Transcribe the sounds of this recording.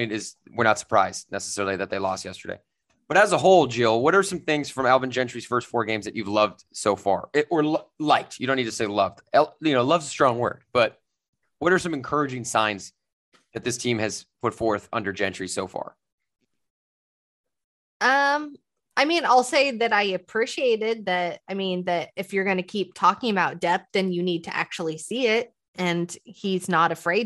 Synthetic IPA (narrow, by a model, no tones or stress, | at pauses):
nɪz | wɨɹñətsə̥˞pʰɹ̥aɪz̥dnɛsə̥sɛɹl̩ˠiðɨt̪̚ðeɪlɔ̰st̚jɛstə˞ḛɪ | b̥ʌɾɨzəɦoʊlˠd͡ʒɪlˠwʌɾə˞sʌ̃mθɪ̃ŋz̥fɹʌ̃mælˠbɨ̃nd͡ʒɛ̃nt͡ʃɹ̥iz̥fɜ˞stfɔɹɡẽɪ̃mzðɨt͡ʃʉvlʌvd̥soʊfɑ̰ɹɪʔə˞lʌlaɪk̚tʰjɨɾõʊ̃nidtʰɨ̥seɪlʌvd̥ɛlˠjɨnoʊlʌvzəstɹ̥ɔ̃ŋwɜ̰˞d̥̚b̥ʌt̚ | wʌɾə˞sʌ̃mɨ̃nkʰɜ˞ɨd͡ʒɪ̃ŋsãɪ̃nz | ðɨt̪̚ðɪstʰĩmɨz̥pʰʊtfɔɹθʌ̰̃ndə˞d͡ʒɛ̃nt͡ʃɹ̥isoʊfɑ̰ɹ | ʌ̃m | aɪmĩnaɪlˠseɪðɨɾaɪɨpʰɹ̥iʃieɪɾɪd̪̚ðɨɾaɪmĩnðɨɾɨfjə˞ɡʌnɨkʰip̚tʰɔkɪ̃ŋɨbaʊt̚d̥ɛp̚ðɨ̃njɨnid̚tʰɨʔæ̰k̚t͡ʃul̩ˠisiɪt̚ | ʔɨ̃niznəɾɨfɹeɪ